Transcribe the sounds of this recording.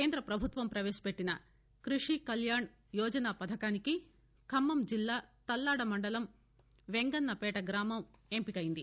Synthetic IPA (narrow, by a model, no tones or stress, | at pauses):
keːnd̪ɾɐpɾɐbʱut̪ʋɐmpɾɐʋeːʃɐ̥pe̞ʈːinɐ | kɾiʂikɐljaːɳ | jɔːd͡ʒɐnaːpɐd̪ʱɐkaːniki | kʰɐmːɐmd͡ʒilːaːt̪ɐlːaːɽɐmɐɳɖɐlɐm | ʋeŋɡɐnːɐpɛːʈɐɡɾaːmɐmempikɐjind̪i